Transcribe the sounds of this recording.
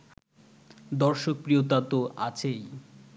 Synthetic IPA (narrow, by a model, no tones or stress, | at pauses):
d̪ɔɾʃok̚pɾijot̪at̪oʔat͡ɕʰej